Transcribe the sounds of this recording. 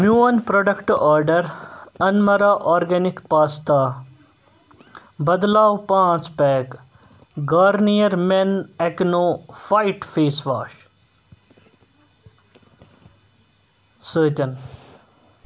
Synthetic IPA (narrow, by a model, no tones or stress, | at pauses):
mjuːnpɾoːɖɐkʈɔːɾɖəɾɐnmɐɾaːʔɔːɾɡɛnɪkpaːst̪aː | bɐd̪laːwpãːt͡ʃpɛːk | ɡaːɾnijəɾmeneknoːfaːɪʈfʰeːsʋaːʃ | səːt͡ʃɐn